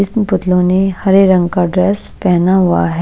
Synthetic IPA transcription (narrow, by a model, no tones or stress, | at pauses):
ɪsnpʊt̪lõnehɐɾeɾɐ̃ŋɡkaɖɾɛːspɛɦnaɦʊa̰ɦɛ